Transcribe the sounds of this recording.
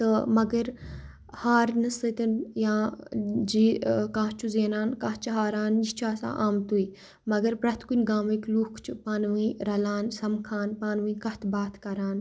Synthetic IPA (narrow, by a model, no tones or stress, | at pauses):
t̪ɨmɐɡɐɾ | haːɾnɨsət̪ɐnjãːd͡ʒiːkãːɦt͡ʃʰuzeːnaːnkaːht͡ʃɐɦaːɾaːnist͡ʃʰaːsa̰ːʔaːmt̪ui | mɐɡɐɾpɾɐt̪kunʲɡaːmikluːkʰt͡ʃʰupaːnʋĩɾɐlaːnsɐmkʰaːnpaːnʋĩːkɐht̪ʰbaːt̪ʰkɐɾaːn